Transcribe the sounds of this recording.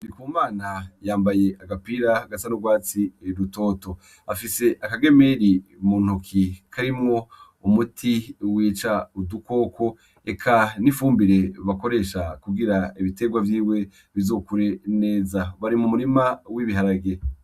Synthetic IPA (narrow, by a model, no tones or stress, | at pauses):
nikuːmaːnajaːmbaje̞ʔaɡapiɾaɡasanuɡwaːt͡siɾuto̞ːto̞ | afise̞ʔakaɡe̞me̞ɾimuːn̥ukʰikʰaɾimŋo̞ | umutʰiwiːt͡ʃauduko̞ːkʰo̞ | ekʰanifuːmbiɾe̞βako̞ɾe̞ːʃakuɡiɾaiβite̞ɡwavjiːwe̞ | βizo̞ːkuɾe̞ne̞ːzaβaɾimumuɾimawiβiɦaɾaɡe